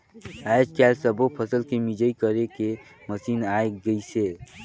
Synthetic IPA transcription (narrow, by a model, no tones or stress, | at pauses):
ad͡ʒkalsəbopʰəsəlkemid͡ʒəikəɾeke | məsiːnaeɡəise